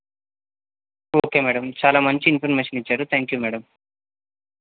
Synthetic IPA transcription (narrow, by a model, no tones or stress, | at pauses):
oːkeːmɛːɽɐmt͡ʃaːlaːmɐɲt͡ʃiːnpʰɐɾmeːʃɐnit͡ʃːaːɾut̪ʰaːŋkjuːmɛːɽɐm